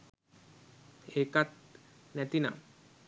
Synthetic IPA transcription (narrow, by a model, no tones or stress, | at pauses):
eːkat̪̚næt̪ina̰